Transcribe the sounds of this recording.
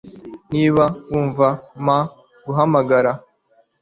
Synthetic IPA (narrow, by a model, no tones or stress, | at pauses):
niːβawuːɱvama | ɡuɦamaɡaɾa